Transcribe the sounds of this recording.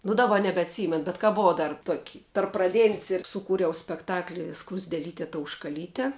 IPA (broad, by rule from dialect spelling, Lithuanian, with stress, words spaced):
nʊ dɐˈbɐ nʲɛbʲɛɐtʲˈsʲiːmʲɛn bʲɛt kɐ ˈbʊʋɐʊ ˈdɐr tuɔkʲ tɐrp prɐˈdʲeːnʲsʲ ɪr sʊˈkuːrʲɛʊ sʲpʲɛkˈtɑːklʲɪ skrʊzʲdʲeːˈlʲiːtʲeː tɐʊʃkɐˈlʲiːtʲɛ